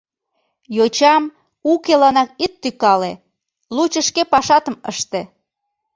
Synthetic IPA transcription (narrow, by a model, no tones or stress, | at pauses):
jot͡ɕɑm | ukelɑnɑk̚it̪ːykɑle | lut͡ɕəʃkepɑʃɑt̪əmə̰ʃt̪e